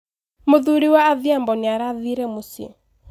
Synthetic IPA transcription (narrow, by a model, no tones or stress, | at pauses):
moðuɾiwaːðiambɔneaɾaðiɾɛmosiɛ̰